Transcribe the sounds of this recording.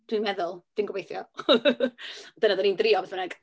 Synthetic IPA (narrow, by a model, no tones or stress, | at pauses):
d̥wimɛðʊlˠd̥inɡwbejθjɔ̰ | ɔd̥ənadɔniːndriɔvɛθmənɛɡ